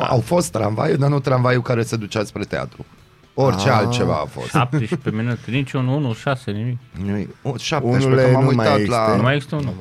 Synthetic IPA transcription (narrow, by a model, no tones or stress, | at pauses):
a̰wfo̞st̪ːɾanva̰jud̪anut̪ɾanvajukaɾe̞se̞d̪ut͡ʃaspɾet̪ea̰t̪ɾu | o̞rʲt͡ʃealt̪̚t͡ʃe̞va̰ːfosʃap̚t̪eʃpeminut̪ɾint͡ʃunuunuʃasenimikʲnoʃap̪eemamujt̪at̪lanmajeɡsi̥st̪eunu